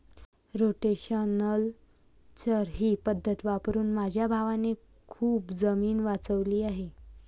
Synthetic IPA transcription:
ɾoʈeɕənəl | t͡ɕəɾɦiːpəd̪ʱːət̪ʋapɾuːnmad͡ʑʱjabʱaʋane | kʰuːpd͡zəmiːnʋat͡səʋliːaɦe

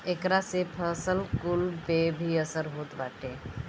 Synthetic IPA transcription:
ekɾasepʰəsəlkulpebʱiəsəɾɦot̪baːʈe

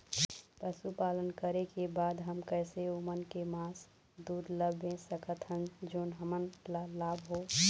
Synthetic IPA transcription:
pəsupalənkəɾekebad̪ɦəmkəɪseomənkemas | d̪uɾləbẽsəkət̪ɦənd͡ʒoːnɦəmənlalabʱɦo

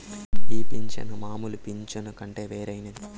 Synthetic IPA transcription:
iːpiɲt͡ʃɐ̰nɐmaːmulupiɲt͡ʃɐnɐkɐɳʈe̞ːʋeːɾɐjnɐi

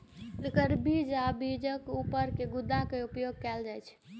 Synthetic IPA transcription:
lekəɾbid͡ʒabid͡ʒəkupəɾkeɡud̪akeupjoɡ̚kɛld͡ʒajt͡ʃʰ

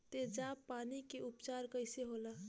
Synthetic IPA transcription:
t̪ed͡ʒapːanikeupt͡ʃaɾkəɪseɦola

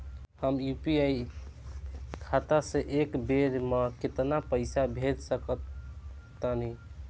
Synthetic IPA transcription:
həmjupiai | kʰat̪asẽʔekbeɾmeket̪napəɪsabʱed̪səkət̪ː | əni

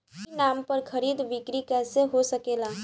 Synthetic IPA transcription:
inaːmpɐɾkʰɐɾiːd̪ʋɪkɾikɛːseɦosɐkeːlaː

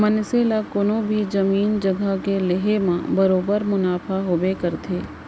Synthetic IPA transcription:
mɐnseːlakʊnõbʱid͡ʒɐmiːnd͡ʒɐɡʱakelɪɦemãbɐɾoːbəɾmʊnaːfʰaɦoːbekɐɾt̪ʰeː

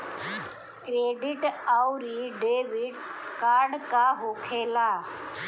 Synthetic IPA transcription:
kɾeːɖɪʈauɾiːɖeːʋɪɖkaːɾɖkaːɦoːkʰeːlaː

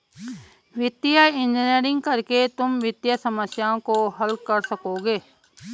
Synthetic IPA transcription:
ʋɪt̪ːɪjaɪ̃nd͡ʒɪneːɾɪ̃ŋɡ̚kɐɾket̪ʊmʋɪt̪jasɐməsjaːõkoɦɐlkɐɾsɐkoːɡeː

